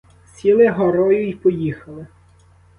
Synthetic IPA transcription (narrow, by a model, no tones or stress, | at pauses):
sʲilˠɪɦɔɾɔjʊjpɔjixɐlˠɪ